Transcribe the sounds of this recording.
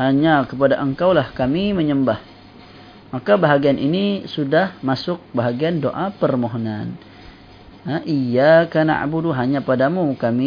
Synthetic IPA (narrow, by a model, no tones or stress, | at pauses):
haɲakəp̬adaʔəŋkawlahkamiməɲəmbah | makabaɦaɡianinisudahmasʊk̚baɦaɡiandoʔapərmoɦona̰n | ʔijakana̰ʔa̰buduɦaɲapadamukami